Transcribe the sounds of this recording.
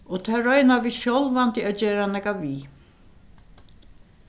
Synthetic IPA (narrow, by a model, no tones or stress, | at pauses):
ɔt̪ʰaːɾœjnaviːʃjɔlvant̪ɪad͡ʑeːɾanɛkaviː